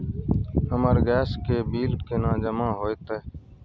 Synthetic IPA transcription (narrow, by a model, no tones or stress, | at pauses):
həməɾɡɛːskeːbiːlkeːnãːd͡ʒəmãːɦoːet̪eː